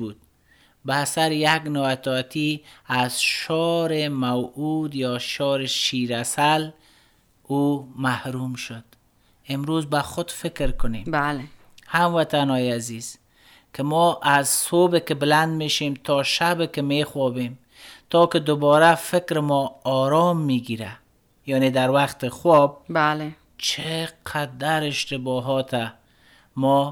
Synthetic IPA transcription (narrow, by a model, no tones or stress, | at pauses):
ud̪̚ | baːsaɾɪjaɡnɔwat̪ɔt̪ʰiazʃɔɾɪmawud̪jɔʃɔɾɪʃiɾasal | umahɾumʃʊd̪̥ | ɪmɾozbaxʊd̪fɪkɾkʊnem | hamwat̪anɔjaziz̥ | kʰɪmɔʔazsobɪkɪbɪland̪meʃemt̪ʰɔʃabɪkɪmexwɔbem | t̪ʰɔkɪd̪ʊbɔɾafɪkɾɪmɔːɾɔmːiɡiɾa | jɔned̪aɾwaqt̪ɪxwɔb̚bale | t͡ʃʰeqʰad̪aɾɪʃt̪ɪbɔɦɔt̪ʰa | mɔ